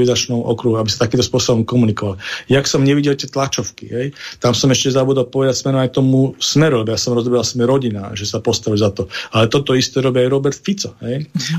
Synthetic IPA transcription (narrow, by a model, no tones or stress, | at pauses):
izat͡ʃnɔʊʔɔ̰kɾuɦuabisat̪akiːmt̪ɔspʊɔsɔbɔmkɔmunikɔʋaljaksɔmɲɛʋiɟɛlt̪ɪɛt̪lat͡ʃɔʊkḭɦɛjt̪amsɔmɛʃcɛzabuːd̪alpɔʋɛd̪acsmɛɾɔmajt̪ɔmusmɛɾulɛbɔjasɔmɾɔzɔbɛɾalsmɛɾɔɟina̰ːʒɛsapɔst̪aʋilzat̪ɔalɛt̪ɔt̪ɔist̪ɛɾɔbiajɾɔbɛɾt̪fit͡sɔɦɛj